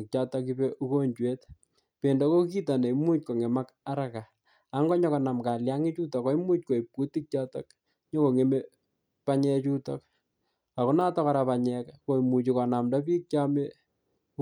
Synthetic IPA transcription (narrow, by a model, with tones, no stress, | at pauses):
k̚t͡ʃatɔki˦pe˦ʔu˦ko˦ɲt͡ʃwe˦t | pe˨ndɔ˦ko˦ki˦ta˨ne˨i˦mu˦t͡ʃ̚ko˨ŋe˨ma˦k | a˦ɾa˦ka˨ | a˨˦ŋɡɔ˦ɲɔ˦kɔ˨na˨mka˨lja˦ŋɪ˦t͡ʃu˦tɔ˨kɔ˦i˦mu˦t͡ʃ̚ko˨i˨pːu˦ti˦k̚t͡ʃa˦tɔ˦k | ɲɔ˦ko˨ŋe˨me˦ | pa˦ɲɛ˦t͡ʃu˦tɔ˦k | a˨ku˦na˦tɔ˦ka˨ɾa˨pa˨ɲɛ˨kko˨imu˨t͡ʃikɔ˨na˨mdɔ˦piː˦k̚t͡ʃa˦me˦